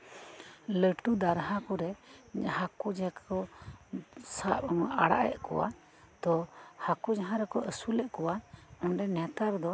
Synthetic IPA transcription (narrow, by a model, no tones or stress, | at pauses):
ləʈud̪aɾɦakɔɾɛhakud͡ʒakɔ | saʔmʔaɽa̰ʔɛ̰ʔ̚kɔ̰wa̰ | t̪ɔhakud͡ʒaɦãɾɛkɔʔəsulɛʔ̚kɔwaɔnɖɛnɛt̪aɾd̪ɔ